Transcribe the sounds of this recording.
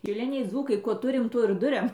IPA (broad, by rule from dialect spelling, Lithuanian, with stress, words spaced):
ʃʲɪˈlʲɪnʲɛɪ ˈd͡zuːkɐɪ ˈkuɔ ˈtʊrʲɪm ˈtuɔ ɪr ˈdʊrʲɛm